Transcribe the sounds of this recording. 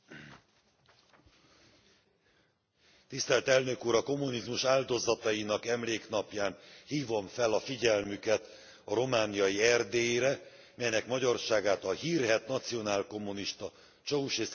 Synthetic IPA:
t̪ist̪ɛlt̪ɛlnø̞kuːɾɒko̞mːunizmuʃaːld̪o̞zɒt̪ɒjinɒkɛmleːknɒpjaːnhiːvo̞ɱfɛlɒfiɟɛlmykɛt̪ | ɒɾo̞maːnijɒjiɛrd̪eːjeɾɛ | mɛjnɛkmɒɟɒrʃaːɡaːt̪ɒhiːrɦɛt̪nɒt̪sijo̞naːlko̞mːuniʃt̪ɒ | t͡ʃouʃeː

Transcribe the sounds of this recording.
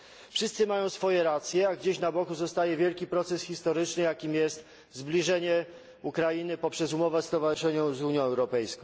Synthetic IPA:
fʂɘst̪sɘmajɔ̃w̃sfɔjɛɾat̪sʲjɛaɡd͡ʑeɕnabɔkuzɔst̪ajɛvʲjɛlkʲipɾɔt̪sɛsxʲist̪ɔɾɘt͡ʂnɘjakʲimʲjɛst̪ | zblʲiʐɛɲɛ | ukɾajinɘpɔpʂɛzumɔvɛst̪ɔvaʐɘʂɛɲɔ̃w̃zuɲjɔ̃ɛwɾɔpɛjskɔ̃w̃

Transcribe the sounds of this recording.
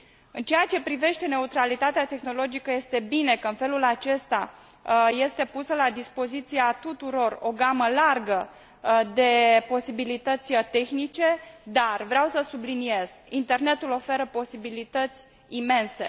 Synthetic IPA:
ɨnt͡ʃeat͡ʃe̞pɾive̞ʃt̪e̞ne̞ut̪ɾalit̪at̪eat̪e̞xno̞lo̞d͡ʒikəje̞st̪e̞bine̞kəɨnfe̞lulat͡ʃe̞st̪a | je̞st̪e̞pusəlad̪ispo̞zit̪sieat̪ut̪uɾo̞ro̞ɡaməlarɡə | d̪e̞po̞sibilit̪ət̪sʲət̪e̞xnit͡ʃe̞d̪arvɾeawsəsublinije̞z̥int̪e̞rne̞t̪ulo̞fe̞ɾəpo̞sibilit̪ət̪sʲ | ime̞nse̞̰

